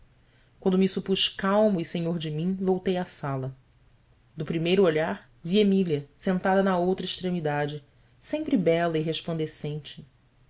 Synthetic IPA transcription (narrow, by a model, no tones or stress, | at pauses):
kwɐ̃nd̪ʊmisupuʃkawmɐisẽɲoɾd͡ʒɪmĩvowt̪ejasalɐ | d̪ʊpɾimejɾʊoʎaɾ | viemiliɐsẽnt̪ad̪ɐnɐowt̪ɾɐiʃt̪ɾemid̪ad͡ʒɪ | sẽmpɾɪbɛlɐiɦeʃplɐ̃nd̪esẽnt͡ʃɪ̥